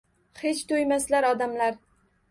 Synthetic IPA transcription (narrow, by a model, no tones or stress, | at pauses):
het͡ʃt̪ʰojmaslaɾɒd̪amlaɾ